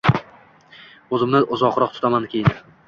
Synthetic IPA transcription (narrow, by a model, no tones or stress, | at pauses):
ɵzɪmnɪʔʊzɒqɾɒq̚t̪ʰʊ̥t̪ʰamankʲʰejɪn